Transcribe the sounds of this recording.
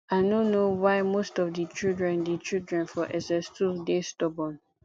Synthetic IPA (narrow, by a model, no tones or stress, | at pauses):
aɪnonowaɪmostɔfdit͡ʃildɹɛ̃ndit͡ʃildɹɛ̃nfɔʔɛzɛstʰudestɔbɔ̃n